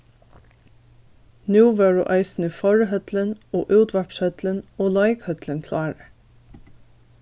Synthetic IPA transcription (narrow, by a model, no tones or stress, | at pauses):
nʉːʋeɹṵːʔɑɪsn̩iːfɔɹɦœd̪ləno̰ːʔʉːt̪ʋæɹpshœd̪̥lənoːlɑɪkhœd̪lənkʰlɑːɾə